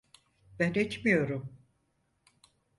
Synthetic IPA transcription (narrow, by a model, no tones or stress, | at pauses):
b̥ænet͡ʃmijo̞ɾum